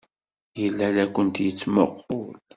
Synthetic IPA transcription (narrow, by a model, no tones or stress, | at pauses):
jəlːælækʷːənt̪jət͡sːmə̰qʰːʊl